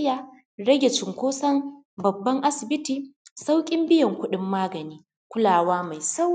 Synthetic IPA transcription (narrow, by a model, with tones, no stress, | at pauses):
jaː˨ | ɽɐ˦ɡʲe˨t͡ʃɪ˨ŋkʷoː˦sɐ˦n | bɐ˨bːɐ˦ŋʔa˦sɪ˨bɪ˦tiː˨sa˦wkʲʼɪ˦mbɪ˦jɐ˨ŋkʷʊ˦ɗɪ˦mːaː˦ɡɐ˨niː˦ | kʷʊ˦laː˨waː˦ma˨jsa˦w